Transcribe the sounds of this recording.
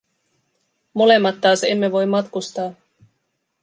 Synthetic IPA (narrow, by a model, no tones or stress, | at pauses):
mo̞le̞mːɑt̪ːɑːse̞mːe̞ʋo̞jmːɑt̪kust̪ɑː